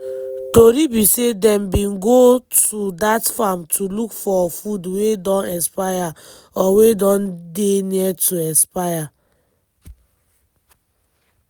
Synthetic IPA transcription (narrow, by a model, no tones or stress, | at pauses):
toɾibisedɛ̃mbĩnɡotudatfamtʰulukfɔfudwedɔ̃nɛ̃spaja | ɔwedɔ̃ndeniɛtuɛspaja